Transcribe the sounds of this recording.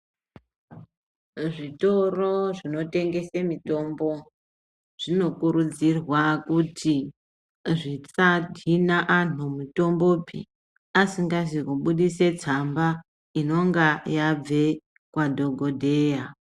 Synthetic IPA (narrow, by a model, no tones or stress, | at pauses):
ʐito̞roʐino̞te̞ŋɡe̞semito̞mbo̞ | ʐ̥ino̞kuɾud͡zirwakuti | ʐit͡sadʱinaʔanumuto̞mbopḭ | asiŋɡaʐikoɓuɗise̞d͡zamba | ino̞ŋɡajab͡ve̞ | kwadʱoɡʱodʱe̞ːja